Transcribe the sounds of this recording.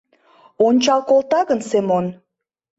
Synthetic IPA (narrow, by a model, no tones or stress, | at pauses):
onʲt͡ɕɑlˠkolt̪ɑɣənsemon